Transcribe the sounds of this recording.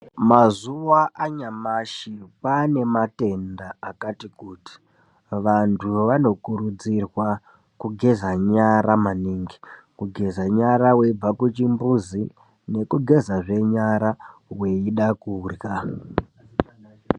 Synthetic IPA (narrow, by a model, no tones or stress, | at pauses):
mazuwaʔaɲamaʃipane̞mate̞ndaakatikuːti̥ | ʋantʰuʋano̞kuɾud͡zirwa | kuɡʱe̞zaɲaɾamaniːŋɡikuɡʱe̞zaɲaɾawe̞b͡vakut͡ʃimbuzi | ne̞kuɡʱe̞zaʐe̞ɲaɾawe̞iɗakurja